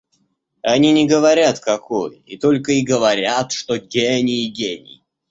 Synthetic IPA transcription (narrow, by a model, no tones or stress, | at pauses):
ɐnʲinʲɪɡəvɐɾʲat̪kɐkojḭt̪olʲkəiɡəvɐɾʲat̪ʂt̪oɡʲenʲɪːɡʲenʲɪ̰